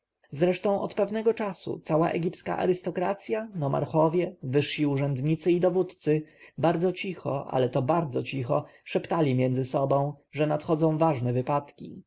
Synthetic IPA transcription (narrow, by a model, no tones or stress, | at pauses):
zɾɛʂt̪ɔ̃w̃ʔɔ̰t̪pɛvnɛɡɔt͡ʂasṵt̪sawa̰ʔɛ̰ɡʲipska̰ʔa̰ɾɘst̪ɔkɾat̪sʲjanɔma̰ɾxɔvʲjɛvɘʂɕiuʐɛnd̪ɲit̪sɘid̪ɔvut̪t̪sɘbaɾd̪zɔt͡ɕixɔ̰ʔa̰lɛt̪ɔbaɾd̪zɔt͡ɕixɔ | ʂɛpt̪alʲimʲjɛnd̪zɘsɔbɔ̃w̃ʐɛnat̪xɔd̪zɔ̃w̃vaʐnɛvɘpat̪kʲḭ